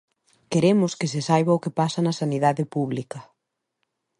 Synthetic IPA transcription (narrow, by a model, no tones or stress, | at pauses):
keɾemʊskɪs̬ɪsajβɐʊkepasɐnɐsaniðaðɪpuβ̞likɐ